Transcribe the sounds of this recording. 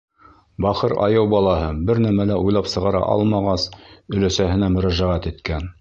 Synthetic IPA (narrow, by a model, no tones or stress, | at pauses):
bɑχɤɾɑ̰jɤwbɑlˠɑɦɤbɘɾnæmælæujlˠɑpsɤ̆ʁɑɾɑ̰ʔɑ̰lˠmɑʁɑsɵ̆læsæhɘ̆næmɵ̆ɾæʒæʁæt̪it̪kæn